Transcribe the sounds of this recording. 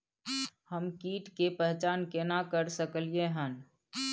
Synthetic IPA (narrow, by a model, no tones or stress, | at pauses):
həmkiːʈkepɛɦt͡ʃaːnkenakəɾsəkəlieɦən